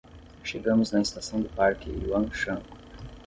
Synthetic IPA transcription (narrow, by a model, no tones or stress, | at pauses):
ʃeɡɐ̃mʊznɐɪst̪asɐ̃w̃d̪ʊpaɾkɪuɐ̃wʃɐ̃k